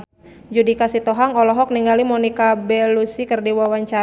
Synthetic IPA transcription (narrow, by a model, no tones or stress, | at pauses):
d͡ʒudikasit̪ɔɦaŋɔlɔɦɔk̚niŋɡalimɔnikabɛlusikərdiwawaɲt͡ʃa